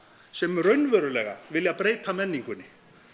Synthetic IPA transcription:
sɛmrœɥnvɛɾʏlɛɣa̰ʋɪlapɾejt̪ʰamɛnːiŋkʊnɪ

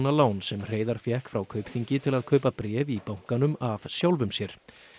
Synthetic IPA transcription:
nalaːwnsɛmr̥eːjðaɾ̥fjɛhkfɾawkʰœɥpθiɲcɪt̪ʰɪlaðkʰœɥpapɾɛːvipawŋ̥kanʏmavsjawlvʏmsjɛɾ̥

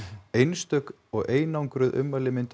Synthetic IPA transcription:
ejnst̪œk | ɔɣeːjnawŋkɾʏðʔʏ̰mːalɪmɪnt̪

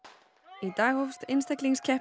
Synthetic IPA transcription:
it̪ajhofst̪ɪnst̪ɛkliŋscʰɛh

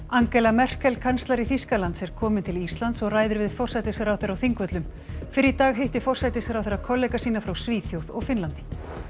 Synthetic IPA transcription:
aŋkɛlamɛr̥kɛlkʰanst̪laɾiθiskalant̪sɛɾ̥kʰɔːmɪnt̪ʰɪlist̪lant̪sɔɣraːjðʏɾvɪðfɔr̥sajt̪ɪsaɾawθeɾawθiŋkvœt̪lʏm | fɪɾɪit̪aːɣɦejht̪ɪfɔr̥sajt̪ɪsaɾawθeɾːakʰɔlːɛjkasiːnafɾawsviːθjowðɔɣfɪnlant̪ɪ̥

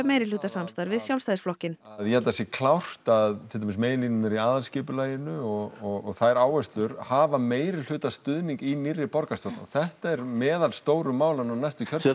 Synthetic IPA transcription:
meːjɾɪl̥uːt̪asamst̪aɾvɪðsjawlst̪ajðɪsflɔhcɪnaðjɛlt̪asjɛkʰlawr̥t̪aðt̪ʰɪlamɪsmejɪlinɪnaɾiaːðalscɪːpʏlaːjɪnʏɔɣɔɣɔɣθaðɛɾaːwvɛst̪lʏɾhaːvameːjɾɪl̥ʏːt̪ast̪ʏðniŋkinirːɪpɔɾkast̪ɔːt̪na̰ɔθɛht̪aɛɾmɛːðalst̪oːwɾʏmaːwlanawnajst̪ʏcʰœ

